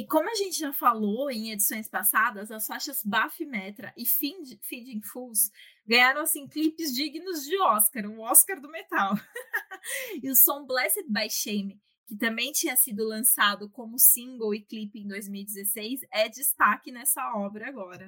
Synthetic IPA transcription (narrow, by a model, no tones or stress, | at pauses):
ɪkõmʊɐʒẽnt͡ʃɪʒafaloẽj̃ed͡ʒisõj̃spasad̪ɐzɐsfaʃɐzbafimɛt̪ɾɐʔɪfid͡ʒfid͡ʒĩfusɡɐ̃jaɾɐ̃w̃asĩklipɪzd͡ʒiɡinʊzd͡ʒɪɔskaɾʊɔskaɾd̪ʊmet̪aw | ɪʊsõw̃blɛset̪̚bajʃejmɪ | kɪt̪ɐ̃mbẽj̃t͡ʃĩɲɐsid̪ʊlɐ̃sad̪ʊkõmʊsĩŋɡowɪklipɪẽd̪ojzmiwid͡ʒɪzesejsɛd͡ʒɪst̪akɪnɛsɐɔbɾɐaɡɔɾɐ